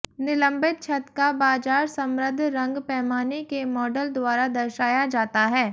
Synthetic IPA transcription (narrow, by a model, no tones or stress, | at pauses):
nɪlə̃mbɪt̪̚t͡ʃʰɐt̪kabaːd͡ʒaːɾsɐ̃mɾəd̪ʱɾɐ̃ŋɡpɛːmaːnekemɔːɖəld̪waːɾad̪ɐɾʃaːjad͡ʒaːt̪aɦɛː